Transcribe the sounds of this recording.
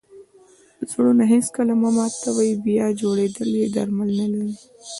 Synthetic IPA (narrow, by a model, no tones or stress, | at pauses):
zɽonaɦĩskalamamat̪ːawaibijad͡ʒoɽed̪əljed̪ɐ̰ɾmalnalai